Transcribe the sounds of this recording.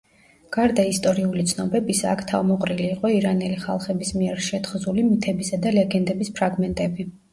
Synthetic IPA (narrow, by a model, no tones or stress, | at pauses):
ɡ̥aɾd̪aist̪ʼɔɾiulit̪sʰnɔbɛbisa̰ːkʰt̪ʰa̰vmɔqʼɾiliːqʼɔiɾanɛliχa̰lˠχɛbismiɛɾʃɛt̪χzulimit̪ʰɛbisad̪alɛɡɛnd̪ɛbispʰɾaɡmɛnt̪ʼɛbi